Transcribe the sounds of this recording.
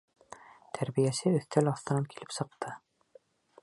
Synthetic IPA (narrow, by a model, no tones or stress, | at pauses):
t̪ʰæɾβijæsɘɵ̆θt̪ælɑθt̪ɤ̆nɑnkilɘpsɤ̆q̚t̪ʰɤ